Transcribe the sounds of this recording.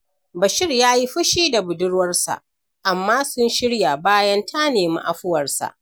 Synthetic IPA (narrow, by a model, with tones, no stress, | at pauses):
bɐ˨ʃɪ˦rjaː˦ji˦ɸʊ˦ʃiː˦da˨bʊ˨dʊ˦ɽwɐ˦rsa̰˨ʔ | ʔa˨mːaː˦sʊ˦nʃɪ˦ɽja˨baː˦jɐ˦ntʰa˦neː˨mḭ˦ʔa˨ɸʊ˦wɐ˨rsa̰˨ʔ